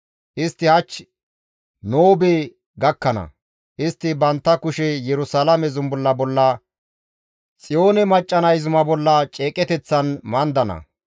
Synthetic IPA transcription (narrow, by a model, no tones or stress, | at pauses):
ʔɪst̪ːɪhɐt͡ʃː | noːbeː | ɡɐkːɐnɐ̰ | ʔɪst̪ːɪbɐnt̪ːɐkʊʃɛjɛɾʊsɐlɐmɛzʊmbʊlːɐbɔlːɐ | t͡sʼɪjo̞ːnɛmɐt͡ʃʼːɐnɐjzʊmɐbɔlːɐt͡ʃʼeːkʼɛt̪ɛt͡sːɐnmɐnd̪ɐnɐ̰